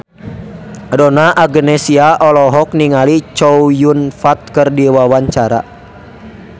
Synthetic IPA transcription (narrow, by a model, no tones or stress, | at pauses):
dɔnaʔaɡənɛsiaʔɔlɔɦɔk̚niŋalit͡ʃɔujunfat̪̚kərdiwawaɲt͡ʃaɾa̰